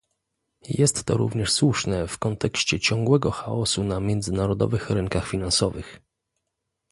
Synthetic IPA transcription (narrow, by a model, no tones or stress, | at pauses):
jɛst̪ːɔ̰ɾṵvɲɛʂswuʂnɛfkɔnt̪ɛkɕt͡ɕɛt͡ɕɔŋɡwɛɡɔxaɔsunamʲjɛnd̪zɘnaɾɔd̪ɔ̰vɘxɾɘŋkaxfʲinansɔvɘx